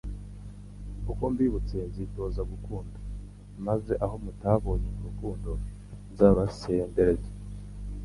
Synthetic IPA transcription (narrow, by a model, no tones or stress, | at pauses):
kukombiβut͡senzito̞ːzaɡukuːnda | maze̞ʔaɦo̞mutaβo̞ːɲemuɾukuːndo̞ | zaβase̞ːnde̞ɾe̞ze